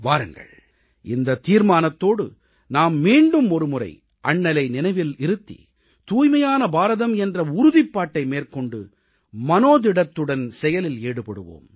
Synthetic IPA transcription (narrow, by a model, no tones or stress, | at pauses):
ʋaːɾɯŋɡɐ̰ɭ | ɪnd̪ɐt̪ːiːɾmaːnɐt̪ːoːɽɯ̰ | naːmːiːɳɖɯmɔɾɯmʊrɐ̰ɪ | ʔɐɳːɐlɐɪnɪnɐɪʋɪlɪɾɯt̪ːḭ | t̪uːjmɐjaːnɐbaːɾɐðɐmɛndrɐʊɾʊðɪpːaːʈːɐɪmeːrkɔɳɖɯ̰ | mɐnoːðɪɽɐt̪ːɯɽɐnsɛjɐlɪleːɽɯpɐɽɯ̰ʋo̰ːm